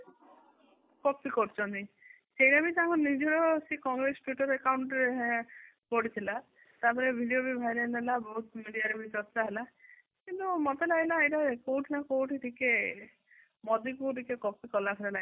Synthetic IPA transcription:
kɔpikɔɾt͡ʃʰɔnt̪i | sejɽabit̪ãɦɔ̃nid͡ʒɔɾɔsikɔŋɡɾesʈwiʈɔɾekawɳʈɾe | pɔɽit̪ʰila | t̪aɾpɔɾebʱiɖijobʱibʱajɾenelabɔɦut̪miɽijaɾebʱisɔst̪aɦela | kint̪umɔt̪elailaːjʈakowʈʰinakowʈʰiʈʰike | mɔd̪ikuʈikekɔp̚ikɔlakʰiɾela

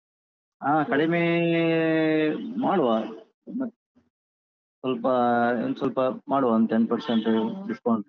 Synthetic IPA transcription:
aːkɐɽimeː | maːɽuʋaː | n | sɐlpɐsɐlpɐmaːɽuʋaːnd̪enpɐɾsɐɳʈɖɪspoːɳɖ

